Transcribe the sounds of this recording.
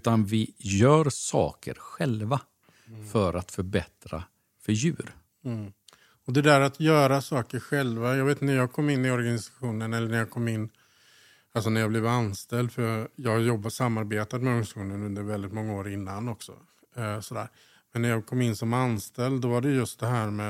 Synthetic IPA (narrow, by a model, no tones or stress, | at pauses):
ʉt̪anvɪjœːɾsɑ̰ːkʰə̰ɾɧɛlva | fœɾʔat̪fœɾbɛt̪ɾa̰ | fœɾjʉ̟ːɾ | ɔd̪ɛd̪æɾat̪jœːɾasɑːkəɾɧɛlvajɑːɡveːt̪næɾjɑːɡkʰɔmːɪnːɪɔɾɡanɪsḁɧuːnənɛlːəɳæɾjɑːɡkʰɔmːɪnː | alsɔnæɾjɑːblɛvanst̪ɛld̪fœjɑːɡajɔbːasamːaɾbeːt̪at̪mɛɔɾanɪsaɧuːnənɵnd̪əɾvɛld̪ɪt̪mɔŋːaoːɾɪnːanɔksɔ̰ | sɔd̪æ̰ːɾ | mɛnːæɾjɑːɡkʰɔmːɪnːsɔmanst̪ɛld̪ːɔvaɖɛjjɵst̪̚d̪ɛɦæːɾmɛ